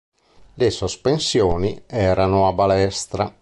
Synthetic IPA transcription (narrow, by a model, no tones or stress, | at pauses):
lesospensjoːniɛːɾanʊabalɛst̪ɾa̰